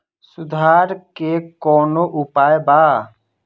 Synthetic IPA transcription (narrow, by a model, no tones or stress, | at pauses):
sʊd̪ʱaːɾkekɔːnoʔʊpaːjbaː